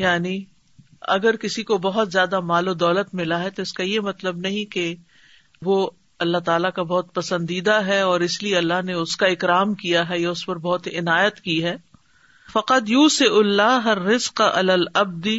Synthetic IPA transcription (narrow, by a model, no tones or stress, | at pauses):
jaːni | ɐ̰ɡəɾkɪsikobɐɦʊt̪zjaːd̪amaːlod̪ɔːlət̪mɪlaɦɛt̪oɪskajemɐt̪ləbnɐɦĩke | ʋo | ɐlːaɦt̪aːlakabɔɦt̪̚pɐsə̃nd̪iːd̪aɦɛɔːɾɪslieɐlːaɦneʊskaɪkɾaːmkijaɦɛjaʊspɐɾbɔɦːt̪ɪnaːjət̪kiɦɛː | fɐqɐd̪juːsɪʔʊlːaːɦɐrːɪzqaʔɐ̰laːlɐb̚d̪